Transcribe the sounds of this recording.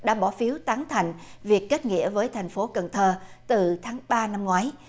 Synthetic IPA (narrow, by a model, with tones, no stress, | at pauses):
ɗa̰ː˧˥ɓɔ˧˩fi˨˦əwt̪aː˨˦ŋt̪ʰa˨˩jŋ̟vi˨˩əkːe˦˥t̚ŋḭ˧˥əvəː˨˦jt̪ʰa˨˩jŋ̟fo˨˦kə˨˩ŋt̪ʰəː˧˩t̪ɨ˨˩t̪ʰaː˨˦ŋɓaː˧na˧mŋwaː˨˦j